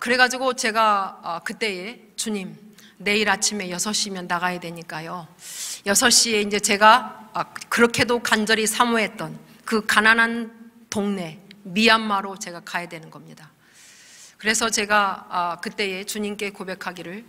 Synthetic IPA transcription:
kɯɾe̞ɡad͡ʑiɡot͡ɕe̞ɡakɯt͈e̞e | t͡ɕuɲim | ne̞iɾat͡ɕʰime̞jʌsʰʌɕ͈imjʌnːaɣajadwe̞ɲik͈ajojʌsʰʌɕ͈ie̞ind͡ʑe̞t͡ɕe̞ɡa | kɯɾʌkʰe̞dokand͡ʑʌɾisʰamuɦe̞t̚t͈ʌn | kɯkananɦan | toŋne̞mianmaɾot͡ɕe̞ɡakajadwe̞nɯnɡʌmɲida | kɯɾe̞sʰʌt͡ɕe̞ɡakɯt͈e̞e̞t͡ɕuɲimk͈e̞kobe̞kʰaɡiɾɯɭ

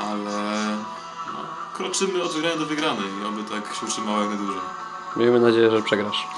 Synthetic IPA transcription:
ʔalɛ | nɔ̰ | kɾɔt͡ʂɘmɘɔd̪vɘɡɾaɲɛd̪ɔvɘɡɾanɛiɔbɘt̪akɕɛutʂɨmawɔjaknad̪wuʐɔ | mʲjʔejmɘnad͡ʑejɛʐɛpʂɛɡɾaʂ

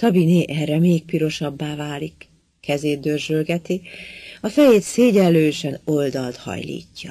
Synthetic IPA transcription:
t̪ɒbineːʔɛrːɛmeːk̚piɾo̞ʃɒbːaːvaːlikː | ɛzeːd̪̚d̪ørʒølɡɛt̪iɒfɛjeːt̪seːɟɛlːøːʃɛno̞ld̪ɒlt̪hɒ̰jlḭːcːɒ̰

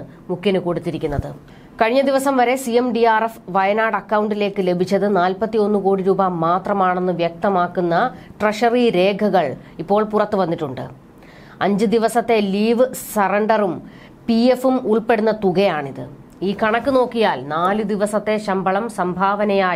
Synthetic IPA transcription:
nɨ | mukʰjɐnɨko̞ɽut̪ːiɾikʲːunːɐðɨ̰ | kɐɻiɲːɐd̪iʋɐsɐmʋɐɾe̞sijemɖiaːrefʋɐjɐnaːɽɐkːɐwuɳɖile̞ːkːɨle̞bʱit͡ɕːɐðɨnaːlpɐt̪ːijo̞nːuko̞ːɽiɾuːbɐmːaːt̪rɐmaːɳe̞nːɨʋjɐk̚t̪ɐmaːkːunːɐʈreʂɐriɾe̞ːɡʱɐɣɐɭ | ipːo̞ːɭpurɐt̪ːɨʋɐnːiʈːuɳɖɨ̰ | ɐɲd͡ʑɨd̪iʋɐsɐt̪ːe̞liːʋɨsɐrɐɳɖɐrum | piefumuɭpe̞ɽunːɐt̪uɣɐjaːɳiðɨ̰ | iːkɐɳɐkːɨno̞ːkːijaːlnaːlɨd̪iʋɐsɐt̪ːe̞ɕɐmbɐɭɐmsɐmbʱaːʋɐnɐjaː

